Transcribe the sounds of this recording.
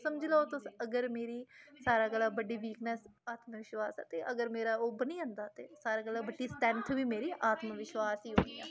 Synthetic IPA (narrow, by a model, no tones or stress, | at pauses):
səmd͡ʒloot̪osəɡəɾmeːɾiːsaːɾaːɡəlːaːbəɖːiːʋiːknəsaːt̪məʋɪʃʋaːsa̰ːt̪eːʔəɡəɾmeːɾaːoːbəniːə̃ːnd̪aːt̪ḛːsaːɾaːɡəlːaːbəɖːiːsʈɛnt̪ʰʋiːmeːɾiːʔaːt̪məʋɪʃwaːsiːɦoːnd̪ija̰ː